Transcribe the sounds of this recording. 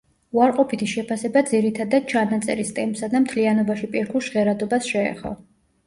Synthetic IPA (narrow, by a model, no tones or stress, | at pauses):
uaɾqʼɔpʰit̪ʰiʃɛpʰasɛbad̪ziɾit̪ʰad̪ad̪̥̚t͡ʃʰanat̪sʼɛ̰ɾist̪ʼɛmpsad̪amt̪ʰlianɔbaʃipʼiɾkʰulˠʃʁɛɾad̪ɔbasʃɛɛ̰χɔ̰